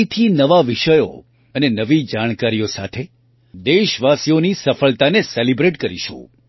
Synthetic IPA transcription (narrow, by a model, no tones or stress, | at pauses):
t̪ʰinəʋaʋiʃəjo̰ | ənenəʋid͡ʒaɽ̃kaɾijosat̪ʰe | d̪eʃʋasijonisəfəɭt̪aneselibɾeʈkəɾḭʃṵ̃